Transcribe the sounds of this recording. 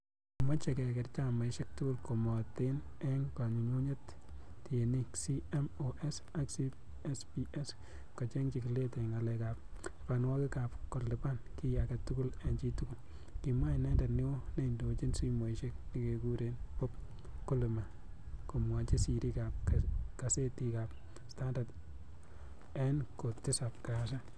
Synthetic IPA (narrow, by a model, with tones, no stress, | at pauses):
mɔ˦t͡ʃe˨kɛ˨kɛ˨ɾt͡ʃa˦ma˨ɪʃe˦k̚tʊ˦kʊ˦lko˨mɔ˨te˦nɛ˦ŋka˨ɲu˨ɲu˦ɲe˦t | te˨ni˦ksi˦ɛ˦mo˨ʔɛ˦s | a˦ksi | ɛ˦spi˦ʔɛ˦s | kɔ˨t͡ʃe˦ŋt͡ʃi˨ki˨le˦tɛ˨ŋa˨lɛ˨ka˨p̚pa˨nwɔ˦kɪ˦ka˨pkɔ˨ɾlɪ˨pa˦nki˦ja˨ka˨tu˦kʊ˦lɛ˨nt͡ʃi˦tu˦kʊ˨l | kɪ˨mwa˦ɪ˨nɛ˦nda˨tnɪ˦wo˦ne˦i˨ndo˨t͡ʃi˦nsi˦mo˨i˨ʃe˦k̚nɪ˨ke˨ku˦ɾe˨npɔ˦p̚ | ko˦lɪ˨ma˨ | ko˨mwa˨t͡ʃe˦si˨ɾi˦ka˨p̚ka˨se˦ti˦ka˨p̚ | sta˦nda˨d | ɛ˦nko˨tɪ˦sa˨p̚ka˨s̬a˦